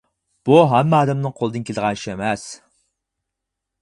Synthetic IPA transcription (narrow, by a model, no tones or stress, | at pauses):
b̥uɦɛmːɛɑːd̪ɛmnɨŋqʰolˠɨd̪ɨnkʲeld̪əʁɑnʃemɛs